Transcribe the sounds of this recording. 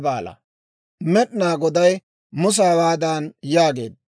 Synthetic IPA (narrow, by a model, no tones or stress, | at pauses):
baːlɐ̰ | mɛɗnaːɡɔd̪ɐj | mʊs̬aːwaːd̪aːnjaːɡe̞̰ːd̪̚